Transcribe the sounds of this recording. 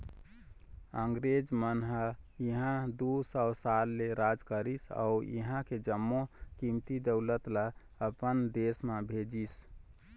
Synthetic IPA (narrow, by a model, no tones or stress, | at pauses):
əŋɡɾed͡ʒmənɦəiɦãd̪usəwsalːeɾad͡ʒkəɾisa̰uḭɦãked͡ʒəmːokimt̪id̪əʊlət̪lə | əpənd̪esmebʱed͡ʒis